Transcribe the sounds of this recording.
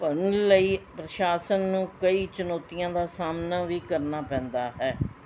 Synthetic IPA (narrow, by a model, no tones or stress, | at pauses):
pənləiːpɾəʃaːsənːũːkəiːt͡ʃənɔːt̪ijãːd̪aːsaːmnaːʋiːkəɾnaːpɛ̃ːnd̪aːɦɛː